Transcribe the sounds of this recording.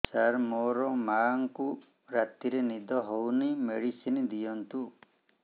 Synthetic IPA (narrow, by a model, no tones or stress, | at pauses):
saɾmɔɾɔmaŋku | ɾat̪iɾenid̪ʱɔɦownimeɽisinid̪ijɔnt̪u